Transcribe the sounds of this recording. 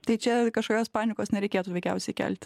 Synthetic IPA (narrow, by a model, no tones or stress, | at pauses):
t̪ɐɪt͡ʃʲɛkɐʃkoːkʲoːspɑːnʲɪkoːsnʲɛɾʲɛɪkʲeːt̪uːʋʲɛɪkʲɛ̰ʊsʲɛɪkʲæ̰lʲt̪ʲ